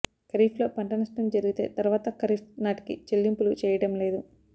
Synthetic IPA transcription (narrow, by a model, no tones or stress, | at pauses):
kɐɾiːflo̞ːpɐɳʈɐnɐsʈɐmd͡ʒɐɾiɡit̪e̞̰ːt̪ɐɾuʋaːt̪ɐkɐɾifnaːʈi̥kḭt͡ʃelːimpulut͡ʃɛːjɐɽɐmle̞ːd̪u